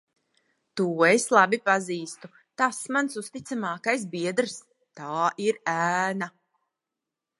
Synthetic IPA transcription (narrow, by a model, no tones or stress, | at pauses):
t̪uːeslˠabipaziːst̪u | t̪asmansust̪it̪samaːkajsbiɛd̪ɾs | t̪aːʔiɾæːna